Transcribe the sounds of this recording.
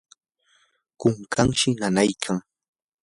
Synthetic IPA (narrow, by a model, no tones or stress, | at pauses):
kʊŋkaŋʃɪnanajkʰaŋ